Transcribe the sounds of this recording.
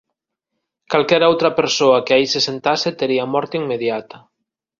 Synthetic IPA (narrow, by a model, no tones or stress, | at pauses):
kalkɛɾowt̪ɾapeɾsoakeaisesent̪aset̪eɾiamɔɾt̪iŋmeðjat̪a